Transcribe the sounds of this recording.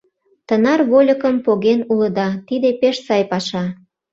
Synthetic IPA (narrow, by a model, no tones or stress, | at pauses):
t̪ənɑrβolʲəkəmpoɣenuləd̪ɑt̪id̪epeʃsɑjpɑʃɑ